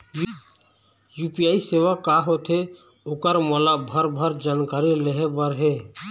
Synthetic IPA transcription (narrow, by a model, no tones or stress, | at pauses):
j | jupijaːiseʋakaɦot̪ʰe | okəɾmɔlabʱəɾbʱəɾd͡ʒaːnkaɾileɦebəɾɦɛː